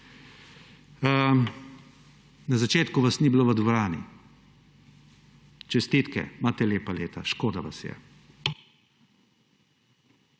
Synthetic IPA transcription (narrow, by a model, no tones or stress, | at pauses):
ə | nazat͡ʃeːt̪kuʋasnibiloːʋəd̪ʋɔɾaːnḭ | t͡ʃɛst̪it̪kɛ̰maːt̪ɛleːpaleːt̪a̰ʃkoːd̪aʋa̰sjɛ̰